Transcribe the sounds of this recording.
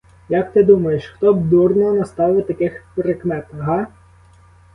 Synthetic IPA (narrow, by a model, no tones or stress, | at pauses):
jɐk̚t̪ɪd̪umɐjeʃxt̪ɔbd̪urnɔɔnɐst̪ɑʋɪt̪ɐkɪxpɾekmɛt̪ɐɦɑ